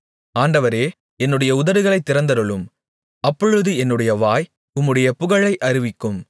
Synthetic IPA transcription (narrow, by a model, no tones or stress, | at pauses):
aːɳɖɐʋɐɾeː | ɛnːɯɽɐjɐʊðɐɾɯɣɐɭɐɪt̪ːɪɾɐnd̪ɐɾɯɭɯm | ɐpːɔɻɯðɯɛnːɯɽɐjɐʋaːj | ʊmːɯɽɐjɐpʊɣɐɭɐɪʔɐɾɪʋɪkːɯm